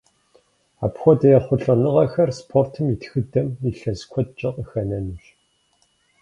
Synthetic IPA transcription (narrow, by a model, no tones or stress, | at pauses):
a̰ːpxʷɔdɐjɛχʷʊɮɐnɨʁɐxɐrspʰortʰɨmitxɨdɐmiɬɐzkʷʰɔt̚t͡ʃʼɪqʼəxɐnɐnɨɕ